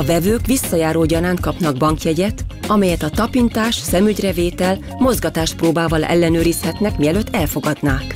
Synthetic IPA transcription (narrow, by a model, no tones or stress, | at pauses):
ɒvɛvøːkʋisːɒjaːɾoːɟɒɾaːnt̪̚kɒpnɒɡ̚bɒŋkjɛɟɛt̪ɒmɛjɛt̪ɒt̪ɒpint̪aːʃsɛmyɟrɛveːt̪ɛl | mo̞zɡɒt̪aːʃt̪proːbaːvɒlɛ̰lːɛnøːɾishɛt̪nɛkmiɛløːt̪ːɛlfo̞ɡɒd̪naːk